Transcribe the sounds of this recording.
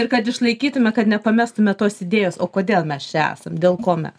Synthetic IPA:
ɪrkɐt̪ɪʃlˠɐɪkʲiːt̪ʊmʲɛkɐt̪nʲɛpɐmʲæːst̪ʊmʲɛt̪oːsɪd̪ʲeːjoːsoːkoːd̪ʲeːlˠmʲɛst͡ʃʲɛæ̰ːsɐmd̪ʲeːlˠkoːmʲɛ̰s

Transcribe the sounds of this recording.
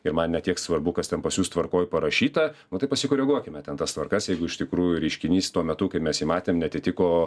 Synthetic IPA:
ɪɾmɐnnʲɛt̪ʲiɛksʋɐrbʊkɐst̪ʲɛnpɐsʲuːst̪ʋɐrkoːjpɐɾɐʃʲiːt̪ɐnʊt̪ɐɪpɐsʲɪkoːɾʲɛɡuɔkʲɪmʲɛt̪ʲɛnt̪ɐst̪ʋɐrkɐsjɛɪɡʊɪʃʲt̪ʲɪkɾuːjʊɾʲɛɪʃʲkʲɪnʲiːst̪uɔmʲɛt̪ʊkɐɪpmʲɛsjiːmɑːt̪ʲeːmnʲɛɐt̪ʲɪt̪ʲɪkoː

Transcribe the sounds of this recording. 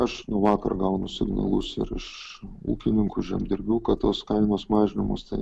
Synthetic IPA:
ɐʃnʊʋɑːkɐ̰rɡɐʊnʊsʲɪɡnɐ̰lˠʊsɪ̰ɾɪ̰ʃṵːkʲɪnʲɪŋkʊʒʲimd̪ʲɪɾʲbʲɛʊkɐtt̪oːskɐɪnoːsmɑːʒʲɪnʲɪmo̰st̪ɐɪ

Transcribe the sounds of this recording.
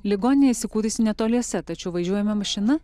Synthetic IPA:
lʲɪɡoːnʲɪnʲjɛsʲɪkuːɾʲɪsʲɪnʲɛt̪oːlʲiɛsʲɛt̪ɐt͡ʃʲɛʊʋɐʒʲuɔjɛmʲɛmɐʃʲɪnɐ

